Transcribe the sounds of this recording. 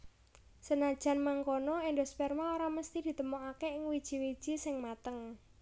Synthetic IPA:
sənad̥ʒ̥a̤nmaŋkonɔendospɛrmaoɾaməst̪id̪̥i̤t̪əmoʔakeɪŋwid̥ʒ̥i̤wid̥ʒ̥i̤sɪŋmat̪əŋ

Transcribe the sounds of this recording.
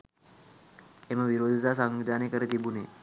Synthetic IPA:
eməʋiɾod̪ʱit̪asaŋʋid̪anekəɾet̪ibune

